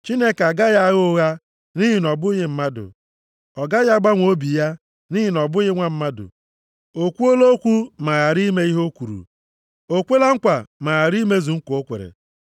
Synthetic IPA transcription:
t͡ʃi˦ne˦ka˨ɡa˦ja˦ɣʊ˦ɣa˦ | ni˦ɦi˨nɔ˨bʊ˦ɣɪ˦m̩˦ma˦dʊ̰˨ | ɔ˨ɡa˦ja˦ɡ͡ba˦ŋʷ˦o˦bi˨ja˦ | ni˦ɦi˨nɔ˨bʊ˦ɣɪ˦ŋʷa˦m̩˦ma˦dʊ̰˨ | o˨kʷu˦o˦lo˦kʷu˦ma˨ɣa˨ɾi˦me˦i˦ɦo˦kʷu˨ɾṵ˨ | o˦kʷe˦la˦ŋ̩˦kʷa˨ma˨a˨ɾi˦me˦zu˨ŋ̩˦ko˨o˦kʷḛ˨ɾḛ˨

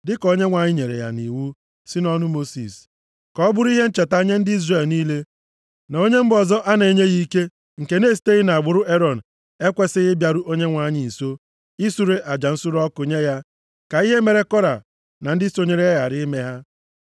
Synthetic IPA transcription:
dɪ˦kɔ˦ɲe˦ŋʷa˨ɲɪ˦ɲe˨ɾḛ˨ja̰˨ni˨wu˦ | sɪ˦nɔ˦nʊ˦mo˦sḭ˨s | kɔ˦bʊ˦ɾʊ˦i˦ɦe˦n̩˦t͡ʃe˨ta˦ɲe˦n̩˦dɪ˦i˦zre˨lniː˦le˦ | na˨o˦ɲe˦m̩˦bɔ˨zɔ˦ʔa˦ne˨ɲe˦ɣi˦ke˦ | ŋ̩˨ke˨ne˦˨s̬i̥˦te˦ɣɪ˦na˨a˨ɡ͡bʊ˨ɾʊ˦ʔe˦ɾɔ˨n̩˨ | e˦kʷe˦sɪ˦ɣɪ˦bja˨ɾʊ˦ʔo˦ɲe˦ŋʷa˦ɲɪ˨n̩˨so˦ | ɪ˦su˦ɾe˦ʔa˨d͡ʒa˨n̩˦sʊ˦ɾɔ˦kʊ˨ɲe˦ja˦ | ka˨i˦ɦe˦me˨ɾe˨kɔ˦ɾa˨ | na˨n̩˦dɪ˦so˦ɲe˨ɾe˦ɣa˨ɾɪ˦me˦ɦa˦

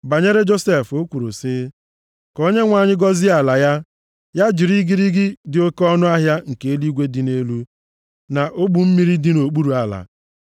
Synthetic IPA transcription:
ba˨ɲe˦ɾe˦d͡ʒo˦se˨fo˦kʷu˨ɾu˨sɪ˦ | ko˦ɲe˦ŋʷa˨ɲɪ˦ɡɔ˦zɪ˦a˨la˨ja˦ | ja˦d͡ʒi˨ɾi˦ɡi˦ɾi˦ɡɪ˦dɪ˨o˦kɔ˦nʊ˦a˦ɦja˦ŋ̩˨ke˨e˦li˦ɡʷe˦dɪ˨ne˦lu˦ | na˨ʔo˦ɡ͡bu˨m̩˦mi˦ɾi˦dɪ˦no˨k͡pu˦ɾu˨a˨la̰˨

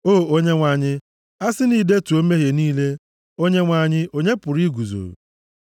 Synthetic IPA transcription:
oː˦˨o˦ɲe˦ŋʷa˨ɲɪ˦ | a˦sɪ˦ni˨˦de˦tu˨o˦me˦ɦje˨niː˦le˦ | o˦ɲe˦ŋʷa˨ɲɪ˦o˦ɲe˦pʊ˨ɾi˦ɡu˨zo̰˨

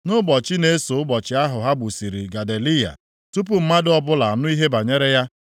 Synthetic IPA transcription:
nʊ˦bɔ˨t͡ʃɪ˦ne˨˦so˨ʊ˦bɔ˨t͡ʃɪ˦a˦ɦʊ˨ɦa˦bu˨si˨ɾi˨ɡa˨de˨li˦ja̰˨ | tu˦p̬ʊ˦m̩˦ma˦dɪ˦ɔ˦bʊ˦la˨a˨nʊ˦i˦ɦe˦ba˨ɲe˦ɾe˦ja˦

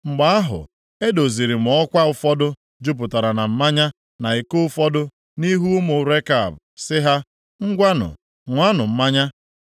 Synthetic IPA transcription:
ŋ͡m̩˨ɡ͡ba˨˦a˦ɦʊ̰˨ | e˦do˨zi˨ɾi˨m̩˨ɔ˦kʷa˦ʊ˦fɔ˦dʊ˦ | d͡ʒu˦p̬ʊ˨ta˨ɾa˨na˨m̩˦ma˦ɲa˦ | na˨ɪ˨kʊ˦fɔ˦dʊ˦ | ni˦ɦu˦mʊ˨ɾe˦ka˨bsɪ˦ɦa˦ | ŋ̩˦ɡʷa˦nʊ̰˨ | ŋʷa˦nʊ˨m̩˦ma˦ɲa˦

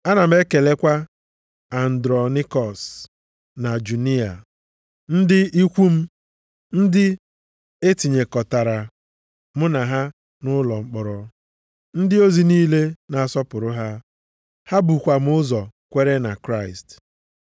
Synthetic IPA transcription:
a˦na˨m̩˦e˦ke˨le˦kʷa˦ | a˨n̩˨dɾɔ˨ni˦kɔ˨s | na˨d͡ʒu˨ni˦a˨ | n̩˦dɪ˦i˦kʷu˦m̩˦ | n̩˦dɪ˦ | e˦ti˨ɲe˨kɔ˨ta˨ɾa˨ | m̩˦na˨ɦa˦ | nʊ˦lɔ˨ŋ͡m̩˦k͡pɔ˨ɾɔ˨ | n̩˦dɪ˦o˦zi˨niː˦le˦na˨a˨sɔ˦pʊ˨ɾʊ˦ɦa˦ | ha˦bu˨kʷa˨m̩˦ʊ˦zɔ˨kʷe˦ɾe˦na˨kɾa˦˨ɪ˨st

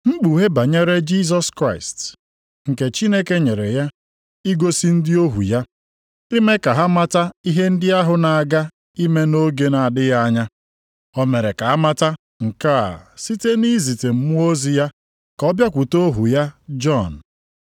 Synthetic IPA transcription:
ŋ͡m̩˦ɡ͡bu˨ɦe˦ba˨ɲe˦ɾe˦d͡ʒi˦z̬ɔ˦skɾa˦˨ɪ˨st | ŋ̩˨ke˨t͡ʃi˦ne˦ke˦ɲe˨ɾḛ˨ja˦ | i˦ɡo˦si˦n̩˦dɪ˦o˦ɦṵ˨ja˦ | dɪ˦me˦ka˨ɦa˦ma˦ta˦i˦ɦe˦n̩˦dɪ˦a˦ɦʊ˨na˨a˨ɡa˦ | i˦me˦no˦ɡe˦na˨dɪ˦ja˦ɲa˦ | ɔ˦me˨ɾe˨ka˨a˦ma˦ta˦ | ŋ̩˨ka˦a̰˨si˦te˦ni˦zi˨te˨m̩˦mu˦o˦zi˨ja˦ | kɔ˦bja˦kʷu˨to˦ɦu˨ja˦d͡ʒɔ˦˨n̩˨

